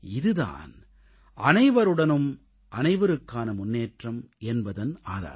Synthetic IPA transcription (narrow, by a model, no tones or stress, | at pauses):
ɪðɯða̰ːn | ʔɐnɐɪʋɐɾɯɽɐnɯm | ʔɐnɐɪʋɐɾɯkːaːnɐmʊnːeːʈrɐmʔɛnbɐðɐnaːða̰ː